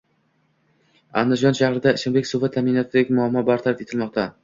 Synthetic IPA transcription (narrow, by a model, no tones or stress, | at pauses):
a̰nd̪ɪd͡ʒɒnʃahɾɪd̪aɪʃɪnbekʲsʊvat̪ʰamjnɒt̪ʰɪd̪akʲmʊamːɒbaɾt̪ʰaɾat̪et̪ʰɪlmɒqt̪ʰa